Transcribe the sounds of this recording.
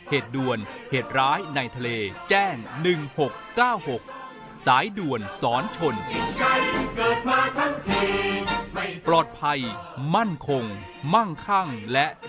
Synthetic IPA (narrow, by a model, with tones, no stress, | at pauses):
heː˨˩t̪̚du˨˩ənheː˨˩t̪̚ɾaː˦˥jna˧jt̪ʰa˧leː˧t͡ɕɛː˥˩ŋnɯ˨˩ŋho˨˩kːaː˥˩who˨˩k̚ | saː˩˦jdu˨˩ənsɔː˩˦nt͡ɕʰo˧nt͡ɕʰa˦˥kɤː˨˩t̪̚maː˧t̪ʰa˥˩ŋt̪ʰiː˧ | plɔː˨˩t̪̚pʰa˧jma˥˩nkʰo˧ŋ | ma˥˩nkʰa˥˩ŋlɛ˦˥ʔ